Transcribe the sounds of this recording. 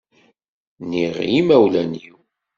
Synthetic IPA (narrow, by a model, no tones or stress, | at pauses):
niʁjimæwlænjiw